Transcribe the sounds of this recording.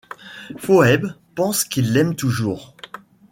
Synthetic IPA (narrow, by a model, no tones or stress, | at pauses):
foɛb | pɑ̃skilːɛmt̪uʒuːʁ